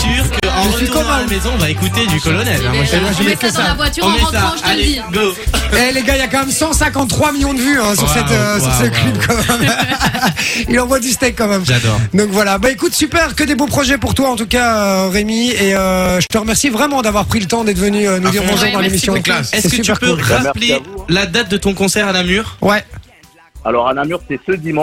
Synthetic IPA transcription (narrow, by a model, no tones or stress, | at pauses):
yʁkʒəsɥikɔmamezɔ̃vaekut̪ed̪ykɔlɔnɛl̃mwaɛmwaʒəmɛkəsaavwat̪yʁãiɡoɛleɡailakɑ̃mɛmsɑ̃sɛ̃kɑ̃t̪ːχwamiljɔ̃d̪əvyɛ̃syʁsɛt̪øssyʁsəklybkɑmɛm | ilɑ̃vwad̪yst̪ɛkːɑ̃mɛmʒad̪ɔ̰ʁd̪ɔ̃kvwalabaekut̪sypɛʁkəd̪ebopχɔʒɛpuʁt̪waɑ̃t̪ukaøʁemieøʒət̪əʁəmɛʁsivʁɛmɑ̃d̪avwaʁpχilət̪ɑ̃d̪ɛt̪vənyønud̪iʁmɔ̃ʒed̪ɑ̃lemisjɔ̃kɛsɛsəyɛʁkpøulʁaplelad̪at̪̚d̪ət̪ɔ̃kɔ̃sɛʁanamyʁwɛ | a̰lɔʁanamyʁsɛsəd̪imɑ̃